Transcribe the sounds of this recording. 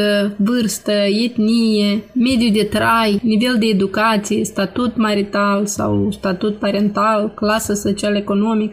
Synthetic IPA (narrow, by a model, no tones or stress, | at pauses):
əvɨrst̪əjet̪nijeme̞d̪jud̪e̞t̪ɾajnive̞ld̪e̞ːd̪ukat̪sijest̪at̪ut̪maɾit̪alsa̰wst̪at̪ut̪̚paɾe̞nt̪alklasəso̞t͡ʃialeko̞no̞mik̚